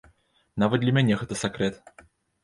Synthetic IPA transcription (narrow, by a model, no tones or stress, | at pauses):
navɐt̪̚d̪lʲɐmʲænʲɛɣɛt̪əsʲakɾɛt̪